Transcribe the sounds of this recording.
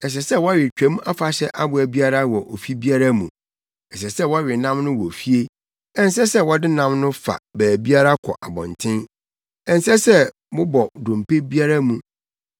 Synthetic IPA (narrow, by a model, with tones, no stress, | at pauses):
ɛ˨ɕ̬ɛ˨sɛ˦wɔ˦ɥɪ˨t͡ɕᶣɛ̃˨˦m˦a˦fa˨ɕɛ˦ʔa˦bʊ˨æ˨bi˦a˦ɾa˦wɔ˨ʔo˨fi˦bi˦a˦ɾa˦mũ˨ | ɛ˨ɕ̬ɛ˨sɛ˦˨wɔ˦ɥɪ˨nã˦mnʊ̃˦wɔ˨fi˦e˦ | ɛ̃˦n˦s̬ɛ˦sɛ˦wɔ˦dɪ˦nã˦mnʊ̃˦fa̰˨bæː˨bi˦a˦ɾa˦kʰɔ̰˨ʔa˨bɔ̰̃˨ntʰɪ̃˦n | ɛ̃˨n˦sɛ˦sɛ˦ | mʊ̃˦bɔ˨dʊ̃˨mpe˦bi˦a˦ɾa˦mũ˨